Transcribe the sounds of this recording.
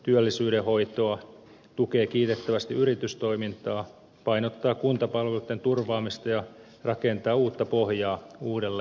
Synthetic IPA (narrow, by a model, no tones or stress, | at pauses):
t̪yølːisyːɾehoit̪oɑ | t̪ukeːkiːt̪et̪ːæʋæst̪iyɾit̪yst̪o̞imint̪ɑː | pɑinot̪ːɑːkunt̪ɑpɑlʋelut̪ːent̪urʋɑːmist̪ɑjɑ | rɑkent̪ɑːuːt̪ːɑpohjɑːuːdelːe